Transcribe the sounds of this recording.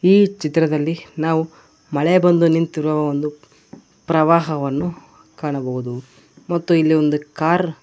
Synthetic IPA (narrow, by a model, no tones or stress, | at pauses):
iːt͡ʃit̪ɾɐd̪ɐlːinaːʋu | mɐɭebɐnd̪unint̪iɾʋɐʋond̪u | pɾɐʋaːɦɐʋɐnːu | kaːɳɐbɐɦud̪u | mɐt̪ːuilːio̞nd̪ukaːɾ